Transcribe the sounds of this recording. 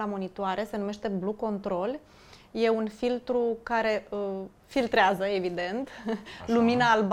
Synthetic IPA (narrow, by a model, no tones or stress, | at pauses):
amo̞nit̪oaɾe̞se̞nume̞ʃt̪e̞bluko̞nt̪ɾo̞l | je̞unfilt̪ɾukaɾe̞ə | filt̪ɾeazəe̞vid̪e̞nt̪luminaːlb